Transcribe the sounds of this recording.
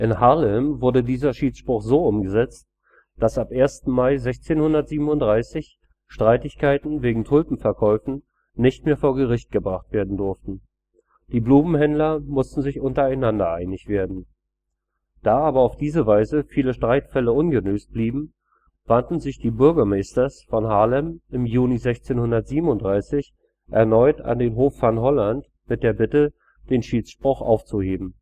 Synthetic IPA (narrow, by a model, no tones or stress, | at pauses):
ʔɪnhalɛmvʊɐdədiːzɐʃiːt͡sʃpʁ̥ʊχzoːʔʊmɡəzɛt͡st | d̥asʔapʔeːɐstn̩maɪzɛçt͡seːnhʊndɐtz̥iːbm̩ʊntd̥ʁaɪsɪç | ʃtʁ̥aɪtɪçkʰaɪtn̩veːɡŋ̩tʰʊlpm̩fɛɐkʰɔʏfn̩ | nɪçt̚meːɐfoːɐɡəʁɪçt̚ɡ̥əbʁaχtv̥eːɐdn̩dʊɐftn̩ | d̥iːbluːmm̩hɛndlɐmʊstn̩zɪçʔʊntɐaɪnandɐʔaɪnɪçv̥eːɐdn̩ | d̥aːaːbɐaʊfd̥iːzəvaɪzəfiːləʃtʁ̥aɪtfɛləʔʊnɡənøːsb̥liːbm̩ | v̥antn̩zɪçd̥iːbʏɐɡɐmɛɪstɐsfɔnɦaːlɛmɪmjuːnizɛçt͡seːnhʊndɐtz̥iːbm̩ʊntd̥ʁaɪsɪç | ʔɛɐnɔʏta̰ndeːnɦoːfːanɦɔlant | mɪt̚d̥eːɐbɪtə | d̥eːnʃiːt͡sʃpʁ̥ʊχʔa̰ʊft͡suheːbm̩